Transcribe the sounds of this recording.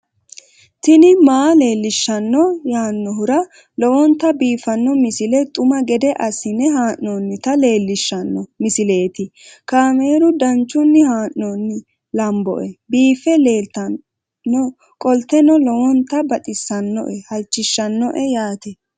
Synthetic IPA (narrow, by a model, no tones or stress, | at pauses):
t̪ɪnɪmaːle̞ːlːɪʃːɐnːɔjaːnːɔɦʊɾɐ | lɔwɔnt̪ːɐbiːfɐnːɔmɪsɪlɛt̪ʼʊmɐɡɛd̪ɛʔɐsːɪnɛɦaːʔːɔnːɪt̪ɐle̞ːlːɪʃːɐnːɔmɪsɪle̞ːt̪ɪkaːmeːɾʊd̪ɐnt͡ʃːʊnːɪhaːʔːɔnːɪ | lɐmbɔ̰ʔɛbiːfɛle̞ːlt̪ɐ | ɔ | kʼɔlt̪ːɛnɔlɔwɔnt̪ɐbɐt̪ʼɪsːɐnːɔ̰ʔɛhɐlt͡ʃːɪʃːɐnːɔʔɛjaːt̪ɛ